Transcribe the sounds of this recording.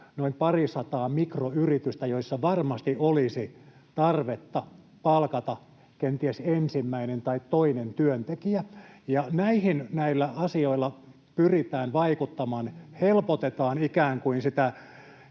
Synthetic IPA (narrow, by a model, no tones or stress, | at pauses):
noimpɑrisɑt̪ɑːmikroyrit̪yst̪æjoisːɑʋɑrmɑst̪iʔolisi | t̪ɑrʋet̪ːɑ | pɑlkɑt̪ɑ | kent̪iesensimːæinent̪ɑit̪toinent̪yønt̪ekiæjɑnæihinnæilːæɑsioilːɑ | pyrit̪æːnʋɑikut̪ːɑmɑːnhelpot̪et̪ɑːnikæːŋkuinsit̪æ